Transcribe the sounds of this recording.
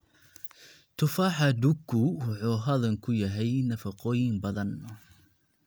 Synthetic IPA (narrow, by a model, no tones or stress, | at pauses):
t̪ʰʊfaːħɑd̪ʊɡʰʊwɑħuːɦɐðɐŋkʰʊjɐɦɛjnɐfɑqɔːjɪŋbɐðɐn